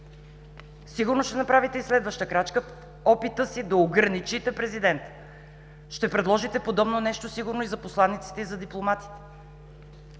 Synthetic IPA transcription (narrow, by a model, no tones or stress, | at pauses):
siɡʊɾnoʃt̪ɛnɐpɾavit̪ɛislɛd̪vəʃt̪əkɾat͡ʃkəf | ɔpit̪əsid̪ɐoɡɾɐnit͡ʃit̪ɛpɾɛzid̪ɛnt̪ə̥ | ʃt̪ɛpɾɛd̪lˠɔʒit̪ɛpod̪ɔbnonɛʃt̪osiɡʊɾnoizɐposlˠanːit̪si̥t̪ɛizɐd̪iplˠomat̪i̥t̪ɛ̥